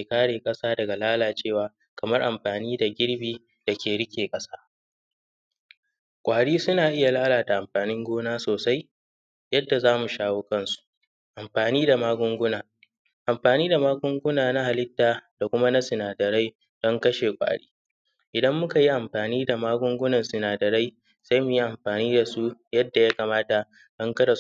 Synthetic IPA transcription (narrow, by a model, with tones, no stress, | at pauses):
meː˨kaː˦ɽeː˨kʼɐ˦saː˦dɐ˨ɡa˨laː˦laː˨t͡ʃeː˦˨waː˨ | kɐ˨mɐ˦rʔa˨mɸaː˨niː˦da˨ɡʲɪ˦ɽbiː˦ | da˨kʲeː˨ɽɪ˦kʲʰeː˨kʼɐ˦saː˦ | kʷʼaː˨ɽiː˦sʊ˦naː˨ʔɪ˦ja˨laː˦laː˨da˨ʔa˨mɸaː˨nɪ˦ŋɡʷoː˦naː˦soː˨sa˦j | jɐ˦dːa˨zaː˦mu˨ʃaː˦woː˦kɐ˦˨nsu̥˨ʔ | ʔa˨mɸaː˨niː˦da˨maː˦ɡʷʊ˦ŋɡʷʊ˦naː˨ | ʔa˨mɸaː˨niː˦da˨maː˦ɡʷʊ˦ŋɡʷʊ˦naː˨na˦ha˨lɪ˦tːaː˨d̥a˨kʷʊ˦ma˦na˦sɪ˨naː˨dɐ˨ɾa˦j | d̥ɔ˦ŋkɐ˦ʃeː˨kʷʼa̰ː˨ɽḭː˦ | ʔɪ˨dɐ˦mːʊ˦ka˨ji˦ʔa˨mɸaː˨niː˦da˨maː˦ɡʷʊ˦ŋɡʷʊ˦nɐ˨nsɪ˨naː˨dɐ˨ɾa˦j | sa˦jmʊ˨ji˦ʔa˨mɸaː˨niː˦da˨su˦jɐ˦dːa˨ja˦kaː˨maː˦ta˨ | d̥ɐ˦ŋkɐ˦da˨